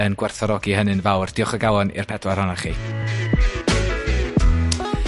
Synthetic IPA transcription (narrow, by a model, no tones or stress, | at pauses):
ənɡ̥wɛrθɔɾɔɡihənɨnvawrd̥ɪɔχəɡawˠɔnɪ̰rpʰɛdlaɾanaχi